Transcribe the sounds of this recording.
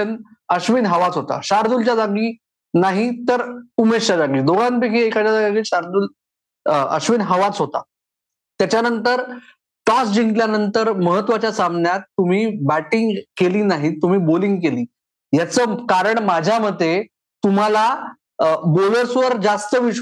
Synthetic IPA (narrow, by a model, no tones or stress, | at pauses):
ənəɕʋinɦəʋat͡sɦot̪a̰ɕaɾd̪ult͡ɕad͡zaɡiː | naɦit̪əɾumest͡ɕad͡zaɡiːd̪oɡan̚bekʰiːekat͡ɕjad͡zaɡaɡiːɕaɾd̪uːl | ə̰ɕʋinɦəʋat͡sɦot̪a̰ | t̪jat͡ɕjanənt̪əɾ | ʈɔsd͡ʑiŋɡljanənt̪əɾməɦət̪ʋat͡ɕjasamnjat̪ːum̤iːbæʈiŋɡkeliːnaɦit̪um̤iːboliŋɡkeliː | jat͡səːkaɾəɳmad͡ʑʱjaməd̪ʱːe | t̪um̤ala | boləɾsʋəɾd͡zast̪əʋiɕ